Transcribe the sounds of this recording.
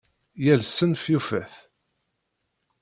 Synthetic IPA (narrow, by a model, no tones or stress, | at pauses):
jælsənfjufæθ